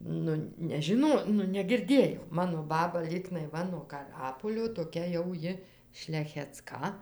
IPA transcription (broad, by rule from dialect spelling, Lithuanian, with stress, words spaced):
ˈnʊ nʲɛʒʲɪˈnoː nʊ nʲɛɡʲɪrʲˈdʲeːjɛʊ ˈmɑːnoː ˈbɑːbɐ ˈlʲiːɡnɐɪ ˈʋɐ nuɔ kɐˈrɑːpoːlʲoː toːˈkʲɛ jɛʊ ˈjɪ ʃʲlʲɛxʲɛˈt͡skɐ